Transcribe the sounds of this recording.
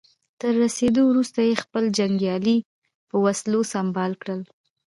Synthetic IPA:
t̪əɾːased̪owɾust̪ajexpəld͡ʒaŋɡjɑli | pəwaslosambɑlkɽəl

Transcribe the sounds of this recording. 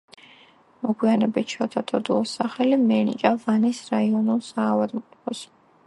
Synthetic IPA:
mɔɡwianɛbit͡ʃʰat̪ʰat̪ʼʰɔd̪uɔsaχɛlimɛnḭkʼavanisɾaiɔnulˠsaːvad̪mqʼɔpʰɔs

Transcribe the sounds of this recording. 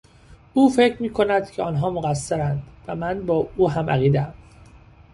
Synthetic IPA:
ʔuːfe̞cʰɾmiːkʰo̞næd̪̥cʰeɒːnɦɒːmoɣæsːeɾænd̪væmænbɒːuːɦæmʔæ̰ɣiːd̪eæm

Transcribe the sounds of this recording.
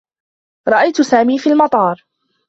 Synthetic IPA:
ɾˤɑʔajt̪ʊsaːmiːfiːlmɑt̪ˤɑːɾˤ

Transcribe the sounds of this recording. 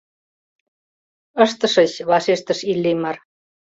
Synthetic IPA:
əʃt̪ə̆ʃə̆t͡ɕβɑʃeʃt̪ə̆ʃilːemɑr

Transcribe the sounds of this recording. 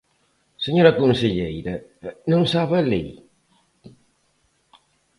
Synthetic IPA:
seɲoɾɐkonseʎejɾɐnõŋsaβɐlḭ

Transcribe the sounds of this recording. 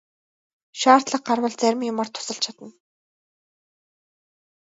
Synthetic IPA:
ʃaːr̥t̪ɮə̆q̚ɢarwə̆ɮt͡sæɾʲɪ̆mjʊmart̪ʰːʊ̥sə̆ɬt͡ɕʰat̪ə̆n

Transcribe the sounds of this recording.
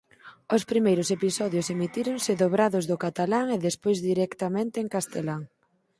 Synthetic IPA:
ʊspɾimejɾʊsepisɔðjʊsemit̪iɾʊŋsɪðoβɾaðʊzðʊkat̪alaŋeðespojzðiɾɛkt̪amẽnt̪eːŋkast̪elaŋ

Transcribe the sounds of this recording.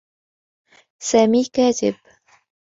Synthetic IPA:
saːmiːkæːt̪ɪ̰b̥

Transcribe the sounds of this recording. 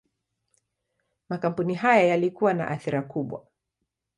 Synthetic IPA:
makam̩puniɦajajalikuwana̰ʔaθiɾakuɓwa̰

